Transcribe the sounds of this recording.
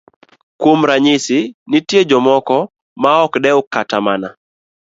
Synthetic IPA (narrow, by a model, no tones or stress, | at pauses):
kwomɾaɲɪsɪnɪtjed͡ʒɔmɔkɔ | maɔkdɛʊkːatamana